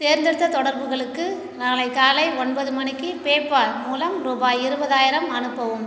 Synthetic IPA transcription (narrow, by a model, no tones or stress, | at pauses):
t̪eːɾnd̪ɪɽɯt̪ːɐt̪ɔɽɐɾbɯɣɐɭɯkːɯ | naːlɐɪkːaːlɐɪɔɳbɐðɯmɐɳɪkːɯpeːpːamuːlɐmɾʊbaːɪɾɯbɐðaːjɪɾɐmɐnɯpːɐʋɯm